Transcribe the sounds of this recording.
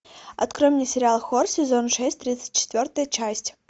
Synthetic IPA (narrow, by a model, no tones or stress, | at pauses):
ɐ̰t̪kɾomnʲɪsʲɪɾʲɪalˠxorsʲɪzo̞nʂɛsʲtʲt̪ɾʲit̪sə̥tʲt͡ɕɪ̥t̪ʲvʲort̪əjət͡ɕæsʲtʲ